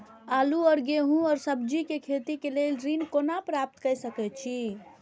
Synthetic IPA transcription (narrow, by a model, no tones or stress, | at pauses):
aluɔɾɡeɦũɔɾsəbd͡ʒikekʰet̪ikelelɾinkonapɾap̚t̪kəjsəkɛt͡ʃʰi